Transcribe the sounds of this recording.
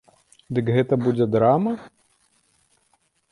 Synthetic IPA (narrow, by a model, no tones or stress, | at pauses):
d̪ɨkɣɛt̪ɐbud͡zʲɛd̪ɾamɐ